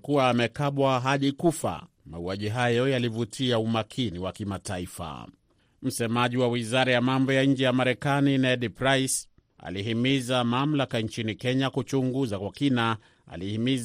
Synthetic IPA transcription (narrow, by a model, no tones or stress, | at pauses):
kuaːmɛkaɓwaɦaʄikufa̰ | mauaʄiɦajɔjalivutʰiaumakʰiniwakimataifa̰ | m̩sɛmaʄiwawizaɾajamambɔjaɲ̩d͡ʒɛjamaɾɛkaninɛɗipɾais | a̰liɦimizamam̩lakaɲt͡ʃinikɛɲakut͡ʃuŋɡuzakwakina | a̰lihimiz